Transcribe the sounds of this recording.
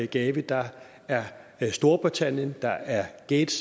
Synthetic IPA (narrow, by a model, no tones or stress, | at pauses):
ɡ̥ɛːʋid̥ɑ̈ | æɐsd̥o̝ɐb̥ʁit͡sʰæn̰jənd̥ɑ̈ʔæɐɡ̥eːd̥s